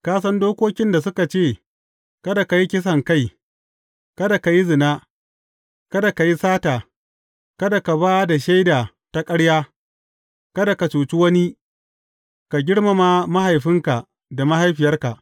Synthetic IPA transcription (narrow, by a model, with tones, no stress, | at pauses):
kaː˦s̬ɐ˦ndoː˦kʷoː˦kʲɪ˦nda˨s̬ʊ˦ka˨t͡ʃeː˦˨ | kɐ˦da˨ka˨ji˦kʲɪ˦s̬ɐ˨ŋka˦˨j | kɐ˦da˨ka˨ji˦zɪ˨naː˦ | kɐ˦da˨ka˨ji˦saː˦taː˨ | kɐ˦da˨ka˨baː˦da˨ʃa˦jdaː˨ | ta˦kʼɐ˦ɽjaː˦ | kɐ˦da˨ka˨t͡ʃuː˨t͡ʃi˦wɐ˦ni˦ | ka˨ɡʲɪ˦ɽma˨ma˦ma˦ha˨jɸɪ˦ŋka˨ | da˨ma˦ha˦jɸɪ˨jɐ˦rka˨ʔ